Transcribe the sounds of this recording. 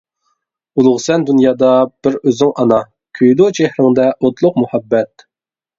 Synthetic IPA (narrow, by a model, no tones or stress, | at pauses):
ulˠʊʁsɛnd̪unjɑːd̪ɑb̥ɪɾøzɪŋʔɑnɑ | kʲʰyjd̪ot͡ʃʰehɾɪŋd̪ɛʔot̪lˠʊq̚muhɑbːɛt̪̚